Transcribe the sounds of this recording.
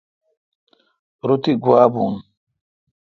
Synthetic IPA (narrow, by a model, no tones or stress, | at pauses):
ɾut̪iɡwaːbuŋ